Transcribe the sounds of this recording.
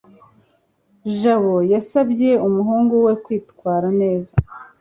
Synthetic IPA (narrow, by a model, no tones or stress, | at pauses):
ʒaβo̞jasabje̞umuɦuːŋɡuwe̞kwiːtkwaːɾane̞ːza